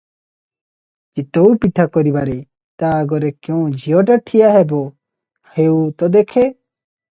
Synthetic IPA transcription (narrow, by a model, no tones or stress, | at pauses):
d͡ʒit̪oupiʈʰakɔɾibaɾe | t̪aɡɔɾekjõːd͡ʒʱijoʈɐʈ̪ʰijaɦebo | heut̪ɔd̪ekʰe